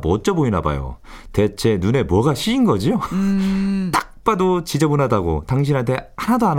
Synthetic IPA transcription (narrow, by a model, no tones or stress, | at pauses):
mʌt͡ɕ͈ʌboinaba̰jo̰ | te̞t͡ɕʰe̞nune̞mwʌɡaɕʰiːnɡʌd͡ʑio | t͈ḁk̚p͈adot͡ɕid͡ʑʌbunadaɡo̰taŋɕ̬ʰinɦantʰe̞anadoan